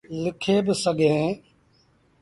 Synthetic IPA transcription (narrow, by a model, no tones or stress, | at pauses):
lɪkʰeːbɪsəɡʱẽː